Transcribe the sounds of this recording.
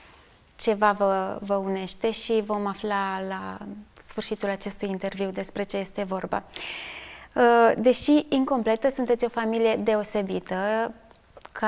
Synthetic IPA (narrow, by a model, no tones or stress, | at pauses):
t͡ʃe̞vavəvəune̞ʃt̪e̞ʃivo̞maflalasfɨrʃit̪ulat͡ʃe̞st̪ujint̪e̞rviwd̪e̞spɾe̞t͡ʃeje̞st̪e̞vo̞rba̰ | d̪e̞ʃiiŋko̞mple̞t̪əsunt̪et̪sʲo̞familije̞d̪e̞o̞se̞bit̪ə | kʰ